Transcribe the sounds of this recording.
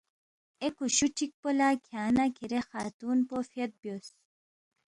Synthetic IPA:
ekuɕuʈʰik̚polakʰjaːnakʰiɾexaːt̪uːnpofiɐt̪̚bjos

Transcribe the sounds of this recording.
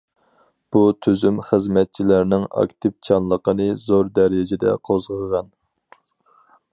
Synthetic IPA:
b̥ut̪ʰyzymχəzmɛt̪̚t͡ʃʰilæɾnɪŋɑ̰kt̪ʰɪp̚t͡ʃʰɑnlˠəqənɨzoɾd̪ɛɾɪd͡ʒɪd̪ɛ̰qʰozʁəʁɑn

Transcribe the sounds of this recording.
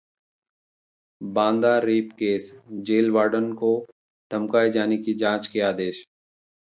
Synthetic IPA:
bãːnd̪aːɾiːpkeːsd͡ʒeːlʋaːɖənko | t̪əmkaːed͡ʒaːnekid͡ʒãːt͡ʃkeaːd̪eːʃ

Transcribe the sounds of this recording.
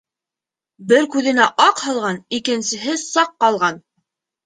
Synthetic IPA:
bɘɾkʉðɘ̆næʔɑqhɑlˠʁɑnikɘ̆nsɘ̆ɦɘsɑqːɑlˠʁɑn

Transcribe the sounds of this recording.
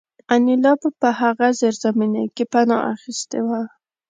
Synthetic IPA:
anɪlɑbpəhaɣazeɾzamina̰kepanɑ̰ʔa̰xist̪ewa

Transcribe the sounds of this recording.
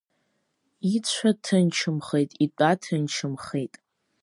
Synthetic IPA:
it͡ɕʷʰatʰɨnt͡ʃʰɨmχejtʼitʷʼatʰɨnt͡ʃʰɨmχejtʼ

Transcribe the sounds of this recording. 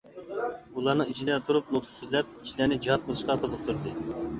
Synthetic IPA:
ulˠɑɾnɨŋit͡ʃʰid̪ɛt̪ʰuɾup̚not̪ʰʊ̥syzlɛp̚iʃlænɪd͡ʒihɑt̪̚qʰəlˠɨʃqɑqʰəzəq̚t̪ʰuɾd̪ɨ

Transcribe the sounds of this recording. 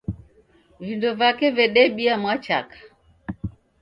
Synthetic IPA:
vindɔvakɛvɛɗɛɓiamwat͡ʃa̰kḁ

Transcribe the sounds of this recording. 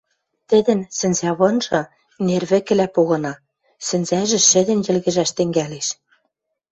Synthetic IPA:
t̪ɘ̆d̪ɘ̆nsɘ̆nzæβɤ̆nʒɤ̆ | nerβɘ̆kɘ̆læpoɣɤ̆nɑ | sɘ̆nzæʒɘ̆ʃɘ̆d̪ɘ̆njɘ̆lɣɘ̆ʒæʃt̪ɘ̆ŋɡæleʃ

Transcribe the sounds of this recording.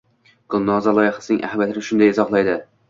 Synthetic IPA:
ɡ̥ʊlˠnɒzalˠɒjɪχḁsɪnɪŋʔa̰hamjat̪ʰɪnɪʃʊnd̪ajɪzɒχlˠajd̪ɪ

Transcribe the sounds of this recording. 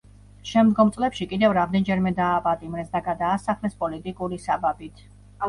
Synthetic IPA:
ʃɛmd̪ɡɔmt̪sʼlɛpʃikʼid̪ɛvɾamd̪ɛnd͡ʒɛɾmɛd̪aːpʼat̪ʼimɾɛsd̪aɡad̪aːsaχlɛspʼɔlit̪ʼikʼuɾisababit̪ʰ

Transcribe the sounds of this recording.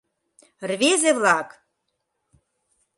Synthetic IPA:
rvezevlɑk

